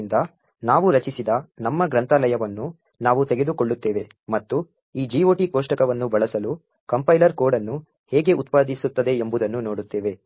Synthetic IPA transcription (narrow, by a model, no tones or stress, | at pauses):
nd̪ɐ | naːʋuɾɐt͡ʃisid̪ɐnɐmːɐɡɾɐnt̪alɐjɐʋɐnːu | naːʋut̪eɡe̞d̪ukoɭːut̪ːɛːʋe̞ | mɐt̪ːu | iːd͡ʒiːoːʈikoːʂʈɐkɐʋɐnːubɐɭɐsɐlu | kɐmpɐjlɐɾko̞ːɖɐnːu | hɛːɡe̞ut̪paːd̪isut̪ːɐd̪e̞ːmbud̪ɐnːuno̞ːɽut̪ːɛːʋe̞